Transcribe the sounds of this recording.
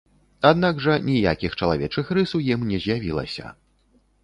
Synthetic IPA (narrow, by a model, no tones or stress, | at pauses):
ad̪̚naɡʐɐnʲija̰kʲixt͡ʂɐlˠavʲɛt͡ʂɨxrɨsuwjimnʲɛzʲjavʲilˠɐ̰sʲɐ̰